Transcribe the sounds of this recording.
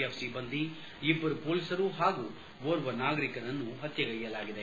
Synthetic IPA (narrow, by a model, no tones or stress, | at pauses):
epsibɐnd̪i | ibːɐɾupoːlisɐɾuɦaːɡu | ʋoːɾʋɐnaːɡɐɾikɐɾɐnːuɦɐt̪jɐɡɐɭijɐlaːɡid̪e